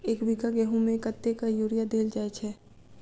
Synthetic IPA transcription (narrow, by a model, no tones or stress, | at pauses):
eːkbʱikaɡɛɦũmẽkət̪ːekajuːɾijad̪eːld͡ʒaːet͡ʃʰɛ